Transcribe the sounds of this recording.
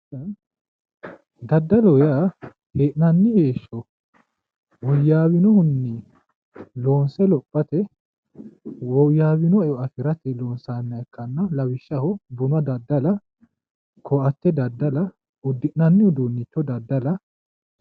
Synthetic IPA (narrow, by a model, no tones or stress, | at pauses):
d̪ɐd̪ːɐlɔjaː | heːʔnɐnːɪheːʃːɔ | wɔjːaːwɪnɔhʊnːi | lo̞ːnsɛlɔpʼːɐt̪ɛ | wɔjːaːwɪnɔɛɔɐfɪɾɐt̪ɛloːnsaːnːɐɛkːɐnːɐlɐwɪʃːɐhʊbʊnwɐd̪ɐd̪ːɐlɐ | kʰɔʔɐt̪ːɛd̪ɐd̪ːɐlɐ | ʊd̪ːɪʔnɐnːɪhʊd̪uːnːɪt͡ʃːɔd̪ɐd̪ːɐlɐ